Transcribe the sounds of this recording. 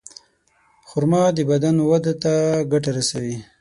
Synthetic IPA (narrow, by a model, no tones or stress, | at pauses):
xʊɾmɑd̪əbad̪anwad̪at̪aɡaʈaɾasawi